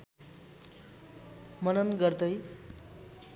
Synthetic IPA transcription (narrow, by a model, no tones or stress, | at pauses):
mʌnʌnɡʌrd̪ʌj